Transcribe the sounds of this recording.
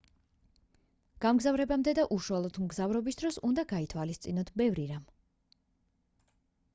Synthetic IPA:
ɡ̥amɡzavɾɛbamd̪ɛd̪aʔuʃualˠɔd̪mɡzavɾɔbisd̪ɾɔsund̪aɡait̪ʰwalist̪sʼinɔt̪ʰbɛvɾiɾam

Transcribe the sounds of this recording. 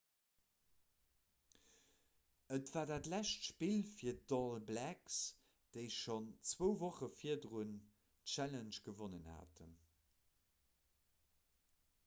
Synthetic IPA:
ətv̥aːɐdaːtlæʃtʃpilfiːɐdɔlblæks | d̥eɪʃont͡swəʊvoχəfiɐdəʁun | tʃælənʃɡ̥əvonənha̰ːtʰən

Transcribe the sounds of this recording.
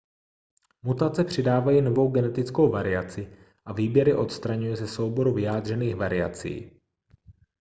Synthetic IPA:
mut̪at͡sɛpr̝̥ɪdaːvajino̞vo̞wɡɛnɛt̪ɪt͡sko̞wvaɾɪat͡sɪ | ʔaviːbjɛɾɪʔo̞t̪st̪ɾaɲujɛzɛso̞wbo̞ɾuvɪjaːd̪r̝ɛniːxvaɾɪa̰t͡sḭː

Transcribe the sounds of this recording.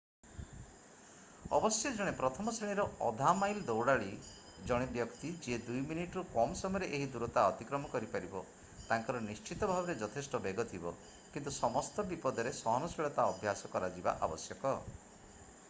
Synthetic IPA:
ɔ̰bɔsjɔd͡ʒɔɽ̃epɾɔt̪ʰɔmɔsiɭ̃iɾɔɔd̪ʱamajld̪ɔwɽaɭi | d͡ʒɔɽ̃ebjɔkt̪id͡ʒed̪ujminiʈɔɾukɔmsɔmɔjɾeʔeɦid̪uɾɔt̪aɔt̪ikɾɔmɔkɔɾipaɾibɔ | t̪aŋkɔɾɔnist͡ʃit̪ɔbʱabɔɾed͡ʒɔt̪ʰesʈɔbeɡɔt̪ʰibɔ | kint̪usɔmɔst̪ɔbipɔd̪ɔɾesɔɦɔnɔsiɭɔt̪aɔbʱjasɔkɔɾad͡ʒiba̰ʔa̰bɔsjɔkɔ

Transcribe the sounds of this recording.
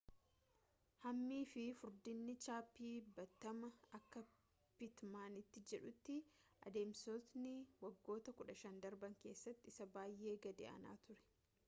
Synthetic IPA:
hɐmːiːfɪfʊɾd̪ɪnːɪt͡ʃaːpːiːbɐt̪ːɐmɐɐkːɐ | pɪt̪maːnɪt̪ːɪd͡ʒɛᶑʊt̪ːɪʔɐ̰d̪e̞ːmsot̪nɪwɐɡːo̞ːt̪ɐkʊᶑɐʃɐnd̪ɐɾbɐŋke̞ːsːɐt̪ːɪɪsɐbaːjʔe̞ːɡɐd̪ɛ̰ʔɐ̰na̰ːt̪ʊɾɛ̥

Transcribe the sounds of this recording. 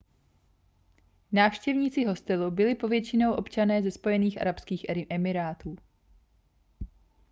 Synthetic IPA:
naːfʃcɛvɲiːt͡sɪɦo̞st̪ɛlubɪlɪpo̞vjɛt͡ʃɪno̞wʔo̞pt͡ʃanɛːzɛspo̞jɛniːxʔa̰ɾapskiːxɛmɪɾaːt̪uː

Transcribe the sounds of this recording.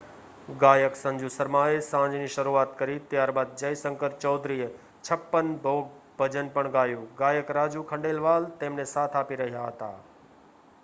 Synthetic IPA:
ɡaːjəksə̃ɲd͡ʒusəɾmaːesãːɲd͡ʒniʃəɾuaːt̪kəɾit̪jaːɾbaːd̪̚d͡ʒəjsə̃ŋkəɾt͡ʃɔːd̪ɾij | t͡ʃʰəpːənbʱoːɡ̚b̥ʱəd͡ʒənpəɳɡaːjũɡaːjəkɾaːd͡ʒukʰə̃ɳɖeːlʋaːlt̪eːmnesaːt̪ʰaːpiɾəɦijaɦət̪a̰ː

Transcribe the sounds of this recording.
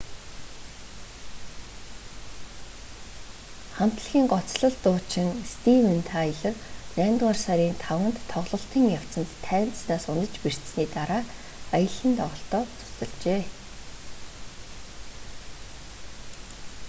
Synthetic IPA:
χam̥t̪ɮxʲiːŋɢɔt͡sɮɞ̆ɮt̪ʊːt͡ɕɪ̆ŋst̪iwɘ̆nt̪ʰajɪ̆ɮɘ̆rnæːmʲt̪aːrsaɾiːnt̪ʰawə̆nt̪ʰːɔʁɮɞ̆ɬt̪iːŋjaw̥t͡sə̆nt̪ʰːæːnt̪snaːsʊnə̆t͡ɕpir̥t̪sniːt̪aɾaː | ajə̆ɮə̆nt̪ʰɔʁɞ̆ɬt̪ɔːt͡sʰʊ̥sə̆ɮt͡ɕeː

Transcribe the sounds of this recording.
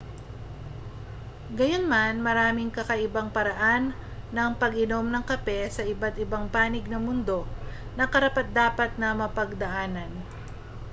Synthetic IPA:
ɡɐjo̞nmanmɐɾaːmɪŋkɐkɐʔɪbaŋpɐɾɐʔanːɐŋpɐɡɪno̞mnɐŋkɐpɛsɐʔɪbat̪ɪbaŋpaːnɪɡ̚nɐmʊnd̪o̞ | nɐkɐɾɐpɐt̪̚d̪aːpɐt̪̚nɐmɐpɐɡ̚d̪ɐʔaːnɐn

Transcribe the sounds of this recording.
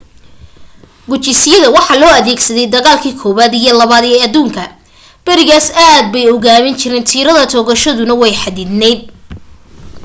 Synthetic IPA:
ɡʊt͡ʃɪsɪjɐðɐwɑħɑːlɔːɐðɛːɡsɐðɛjd̪ɐɣaːlkʰiːkʰɔːβaːd̪ijɞlɐβaːd̪ɛːɐðuːŋkʰɐ | b̥ɐɾɪɣaːsaːd̪̚bɛjɔɣaːβɪnt͡ʃɪɾɛːnt̪ʰiːɾɐðɐt̪ʰɔːɣɐʃɐðʊnɐwɛjħɑd̪iːd̪nɛjd̪̚

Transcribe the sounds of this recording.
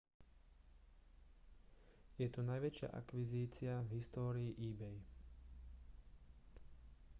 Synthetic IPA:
jɛt̪unajʋɛt͡ʃɪa̰ʔa̰kʋiziːt͡sɪavɦist̪ɔːɾiːʔiːbɛj

